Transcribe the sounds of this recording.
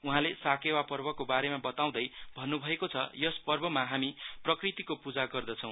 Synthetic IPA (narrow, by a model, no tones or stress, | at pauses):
uɦãlesakewapʌrbʌkobaɾemabʌt̪aw̃d̪ʌjbʱʌnːubʱʌekot͡sʰʌjʌspʌrbʌmaɦamiprʌkrit̪ikopud͡zaɡʌrd̪ʌt͡sʰʌ̃w̃